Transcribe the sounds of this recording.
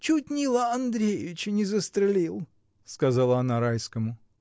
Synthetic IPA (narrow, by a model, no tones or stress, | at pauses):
t͡ɕut̚ʲnʲilˠəɐnd̪ɾʲejɪvʲɪt͡ɕɪnʲɪzəst̪ɾʲɪlʲilˠ | skɐzɑlˠəɐnaɾajskəmʊ